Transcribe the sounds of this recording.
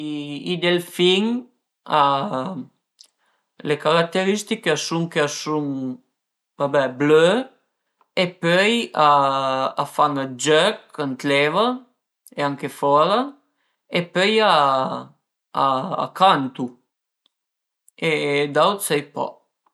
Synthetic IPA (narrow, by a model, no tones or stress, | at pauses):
id̪elfiŋ | a | lekaɾak̚t̪eɾist̪ikeasuŋkeasuŋ | vabɛblø | epøjaː | faŋad͡ʒœkant̪lɛva | eaŋkefɔɾa | epøja | kant̪u | ed̪awt̪sɛjpɔ̰